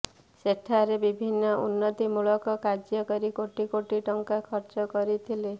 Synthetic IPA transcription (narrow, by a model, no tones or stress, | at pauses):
seʈʰaɾebibʱinːɔʔṵnːɔt̪imuɭɔkɔkaɾd͡ʒjɔkɔɾikoʈikoʈiʈɔŋkakʰɔɾt͡ʃɔkɔɾit̪ʰile